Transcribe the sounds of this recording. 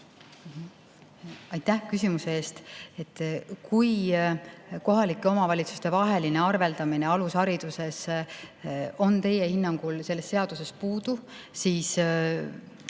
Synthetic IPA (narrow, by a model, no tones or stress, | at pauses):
ɑjt̪ːæhkys̬ʲimuse̞eːst̪e̞t̪ːˑkuj | koɦɑlikːˑeo̞mɑvɑlʲit̪su̥st̪e̞vɑɦe̞line̞ɑrve̞ld̪̥ɑmine̞ɑlushɑɾid̪̥use̞s | o̞nt̪e̞je̞hinːɑŋɡ̥ulse̞lːe̞stːe̞ɑd̪̥use̞spuːd̪̥u | siːs